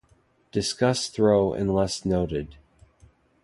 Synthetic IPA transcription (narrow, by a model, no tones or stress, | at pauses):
d̥ɨskʌsθɹoʊʔɨ̰̃nlɛsnoʊɾɪd̥̚